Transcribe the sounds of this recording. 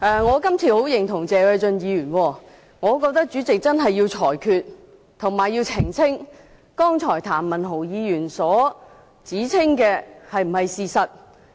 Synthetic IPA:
ʔɛː˨ŋɔː˨˧kɐ˥mt͡sʰiː˨ho˨˥wjɪ˨˩ŋt̪ʰʊ˨˩ŋt͡sɛː˨wɛ˧jt͡sɵ˧njiː˨˧jyː˨˩nwɔː˧ | ŋɔː˨˧˥k̬ɔː˧k̚t̪ɐ˥k̚t͡ʃyː˨˥t͡sɪ˨k̚t͡sɐ˥nɦɐ˨jːiː˧wt͡sʰɔː˨˩jkʰyː˨˧t̚ | t̪ʰʊ˨˩ŋmaː˨˩jːi˧wt͡sʰɪ˨˩ŋt͡sʰɪ˥ŋ | kɔː˥ŋt͡sʰɔː˨˩jt̪ʰaː˨˩mmɐ˨˩nɦo˨˩wjiː˨˧jyː˨˩nsɔː˨˥ | t͡siː˨˥t͡sʰɪ˥ŋkɛː˧hɐ˨jm̩˨˩hɐ˨jsiː˨sɐ˨t̚

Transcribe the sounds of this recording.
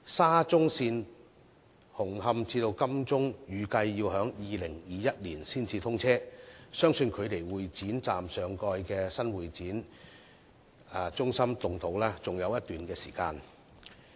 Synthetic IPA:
saː˥t͡sʊ˥ŋsiː˧n | hʊ˨˩ŋhɐ˧mt͡siː˧t̪o˧wkɐ˥mt͡sʊ˥ŋjyː˨˧kɐ˧jːiː˧whœː˨˥ŋjiː˨lɪ˨˩ŋjiː˨˧jɐ˥t̚liː˨˩nsiː˥nt͡siː˧t̪ʰʊ˥ŋt͡sʰɛː˥sœː˥ŋsɵ˧nkʰɵ˨˧ɥt̪e˨˩jwuː˨jt͡siː˨˥nt͡saː˨msœː˨ŋkɔː˧jkɛː˧sɐ˥nwuː˨jt͡siː˨˥n | aː˧t͡sʊ˥ŋsɐ˥mt̪ʊ˨ŋt̪ʰo˨˥wlɛː˥t͡sʊ˨ŋjɐ˨˧wjɐ˥t̪yː˨nkɛː˧sḭː˨˩kaː˧n

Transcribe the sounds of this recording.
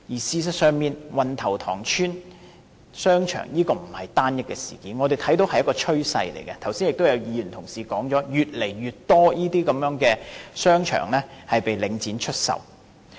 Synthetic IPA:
jiː˨˩siː˧s̬ɐ˨k̚sœː˨˧ŋmiː˨nwɐ˨nt̪ʰɐ˨˩wt̪ʰɔ̰ː˨˩ŋt͡ʃʰyː˥n | sœː˥ŋt͡ʃʰœ̰ː˨˩ŋjiː˥kɔː˧m̩˨˩hɐ˨˩jt̪aː˥njɐ˥t̚kɛː˧sḭː˨˩kiː˨˥nŋɔ˨˧e˨jt̪ʰɐ˨˥jt̪o˨˥whɐ˨jɐ˥kɔː˧t͡ʃʰɵ˥ɥsɐ̰˧jlḛ˨˩jkɛ˧t̪ʰwsiː˥njɪ˨k̚t̪o˥wjɐ˨˧wjiː˨˧jyː˨˩nt̪ʰʊ˨˩ŋsiː˨kɔː˨˥ŋt͡ʃɔː˨˥jyː˨t̚le˨˩jɥyː˨t̚t̪ɔː˥jiː˥t̪iː˥kɐ˨˧mjœː˨˥ŋkɛː˧sœː˥ŋt͡ʃʰœ̰ː˨˩ŋlɛː˥hɐ˨jpe˨jlɪ˨˧ŋt͡siː˨˥nt͡ʃʰɵ˥t̚sɐ̰˨w

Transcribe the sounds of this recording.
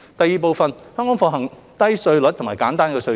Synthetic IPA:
t̪ɐ˨jːiː˨˩p̬o˨˧wfɐ˨nhœː˥ŋkɔː˨˥ŋfɔː˧ɦɐ˨˩ŋ | t̪ɐ˥jsɵ˧ɥlɵ˨˥t̚t̪ʰʊ˨˩maː˨˩kaː˨˥nt̪aː˥nkɛː˧sɵ˧

